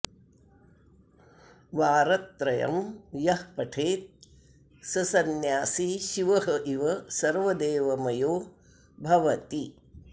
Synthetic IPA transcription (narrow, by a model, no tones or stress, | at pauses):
ʋaːɾɐt̪ɾɐjɐ̰mjɐhpɐʈʰeːt̪̚ | sɐsɐnjaːsiʃiʋɐɦɐʔiʋɐsɐɾʋɐd̪eːʋɐmɐjoː | bʱɐʋɐt̪i